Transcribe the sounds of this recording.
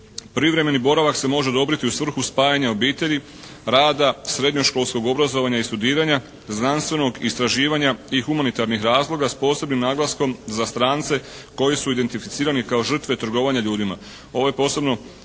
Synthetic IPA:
pɾiʋɾe̞me̞nibo̞ɾaʋakse̞mo̞ʒe̞d̪o̞bɾit̪iusʋr̩xuspaːjaɲao̞biːt̪e̞ʎi | ɾaːd̪asɾe̞d̪ɲo̞ʃko̞ːlˠsko̞ɡo̞bɾazo̞ʋaɲaist̪ud̪iːɾaɲa | znanst̪ʋe̞no̞ɡist̪ɾaʒiːʋaɲaixumanit̪aɾnixɾaːzlˠo̞ɡaspo̞ːse̞bnimnaːɡlˠasko̞mzast̪ɾaːnt̪se̞ | ko̞jisuid̪e̞nt̪ifit̪siːɾanikao̞ʒr̩t̪ʋe̞t̪ɾ̩ɡo̞ːʋaɲaʎuːd̪ima | o̞ʋo̞je̞po̞ːsebno̞

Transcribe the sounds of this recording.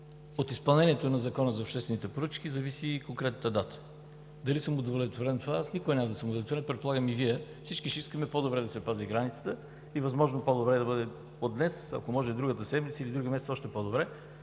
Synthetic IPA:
ot̪ispɐlˠnɛniɛt̪onɐzɐkɔnəzɐopʃt̪ɛst̪vɛnit̪ɛpoɾət͡ʃk̟izɐvisikõŋkɾɛt̪nət̪əd̪at̪ə̥ | d̪ɐlisəmod̪volɛt̪voɾɛnt̪ovaasnikoɛnʲamɐd̪ɐsəmod̪vlɛt̪voɾɛnpɾɛt̪̚polˠaɡəmiviɛfsit͡ʃkiʃɛiskəmɛpod̪obɾɛd̪ɐsɛpaziɡɾanit̪sə̥t̪ə | ivɐzmɔʒnopod̪obɾɛd̪ɐbəd̪ɛ | od̪nɛsɐ̰komɔʒɛd̪ɾuɡət̪əsɛd̪mit̪səilid̪ɾuɡimɛsɛsɔʃt̪ɛpod̪obɾɛ

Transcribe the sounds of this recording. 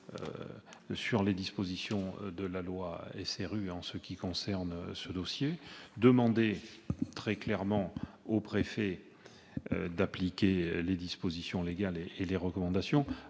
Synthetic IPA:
ø̰syʁled̪ispozisjɔ̃d̪əlalwaɛseʁyɑ̃səkʲikɔ̃sɛʁnsəd̪ɔsjed̪əmɑ̃d̪et̪χɛklɛʁmɑ̃ | opχefɛ | ø̰d̪aplikʲeled̪ispozisjɔ̃leɡaleeleʁəkɔmɑ̃d̪asjɔ̃

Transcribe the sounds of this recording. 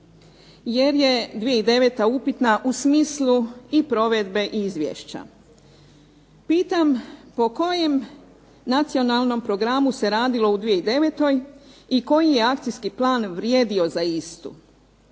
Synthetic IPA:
je̞ɾje̞d̪ʋijeid̪e̞ʋe̞t̪aupit̪naʔusmiːsluipɾo̞ʋe̞d̪be̞ʔiizʋjḛʃt͡ɕa̰ | piːt̪ampo̞ko̞je̞m | nat̪sio̞nalˠno̞mpɾo̞ɡɾamuse̞ɾaːd̪ilo̞ud̪ʋijeid̪e̞ʋe̞t̪o̞jiko̞jije̞akt̪sijskiplˠaːnʋɾjeːd̪io̞zaist̪ṵ

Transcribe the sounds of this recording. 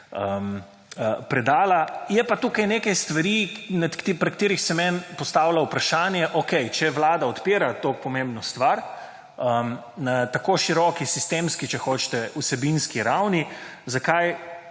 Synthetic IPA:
əm | əpɾɛd̪aːlajɛpat̪ukajnekajst̪ʋaɾimɛt̪kt̪pɾɛkt̪eːɾixsɛmɛnpɔst̪aːwlawpɾaʃaːnjɛʔokɛjt͡ʃɛʋlaːd̪aɔt̪piːɾat̪oːk̚pɔmẽmbnɔst̪ʋaɾ | əm | nat̪akoʃiɾɔkisist̪emskit͡ʃɛxoːt͡ʃt̪ɛusɛbinskiɾawnizakaj

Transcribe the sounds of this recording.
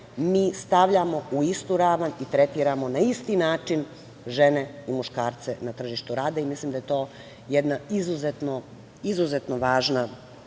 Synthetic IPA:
miːst̪aʋʎamo̞uist̪uɾaːʋanit̪ɾe̞t̪iːɾamo̞naist̪inaːt͡ʂin | ʒe̞neimuʃkaːɾt̪senat̪r̩ʒiʃt̪uɾaːd̪aimislimd̪ajet̪o̞ː | jed̪naizuzet̪no | izuzet̪noʋaːʒna

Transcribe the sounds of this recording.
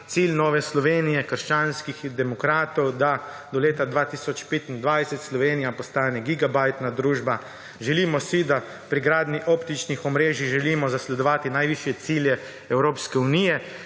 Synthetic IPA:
t̪silnɔːʋɛslɔʋeːnijɛkəɾʃt͡ʃaːnskixd̪ɛmɔkɾaːt̪ɔwd̪a | d̪ɔleːt̪ad̪ʋaːt̪isɔt͡ʃpeːt̪ind̪ʋajsɛt̪slɔʋeːnijapɔst̪aːnɛɡiɡabajt̪nad̪ɾuːʒba | ʒɛlimɔsid̪a | pɾiɡɾaːd̪niʔɔːpt̪it͡ʃnixɔmɾeːʒiɣʒɛliːmɔzaslɛd̪ɔʋaːt̪inajʋiʃjɛt̪siljɛ | ɛwɾoːpskɛuniːjɛ

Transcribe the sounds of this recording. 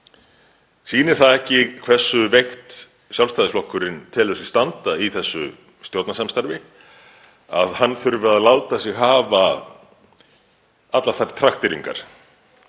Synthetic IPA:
siːnɪɾ̥θaðɛhcɪkʰvɛr̥sːʏvejxt̪ | sjawlst̪ajðɪsflɔhkːʏɾɪnt̪ʰɪːlœsɪ̥st̪ant̪aiθɛsːʏ̰ | st̪jowt̪nasamst̪aɾvɪ | a̰ðhanːfʏɾvɪɾaðlaːwt̪asjɪɣɦaːva | at̪laθaɾt̪ʰɾaxt̪ɪɾiŋka̰ɾ̥

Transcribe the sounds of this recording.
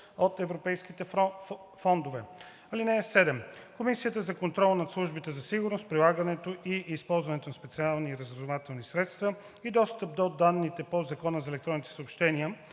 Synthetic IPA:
ot̪ɛvɾopɛjsk̟it̪ɛ | fɔnd̪ovɛ | ɐlinɛːsɛd̪ɛmkomisiət̪əzɐkont̪ɾɔlˠnɐt̪slˠuʒbit̪ɛzɐsiɡʊɾnost̪̚pɾilˠaɡənɛt̪oʔiːspɔlˠzvɐnɛt̪onɐspɛt̪sialˠniːɾəzvɾɐd̪ovat̪ɛlˠnisɾɛt̪st̪və | id̪ɔst̪əp̚d̪od̪anːit̪ɛpozɐkɔnəzɐɛlɛkt̪ɾɔnit̪ɛ̥səopʃt̪ɛniə

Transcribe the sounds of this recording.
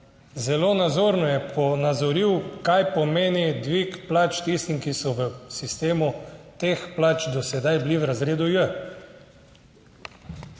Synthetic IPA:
zɛlonad̪zoːɾnɔjɛpʰɔnad̪zɔɾiwkajpɔmeːnid̪ʋikplaːt͡ʃt̪ist̪iŋkisɔʋəsist̪eːmut̪eːxplaːt͡ʃd̪ɔsɛd̪ajbliwɾazɾeːd̪ujə

